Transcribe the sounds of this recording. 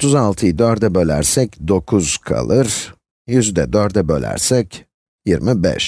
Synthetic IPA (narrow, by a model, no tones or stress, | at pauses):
ot̪ʰuzalˠt̪ʰɯjɯd̪øɾd̪ɛbølʲæ̰ɾsɛcd̪o̞kʰuz̥kʰa̰lˠɯɾ̥ | jyzyd̪ɛ̰d̪øɾd̪ɛbø̰lʲæ̰ɾsɛc | jiɾmibɛ̰ʃ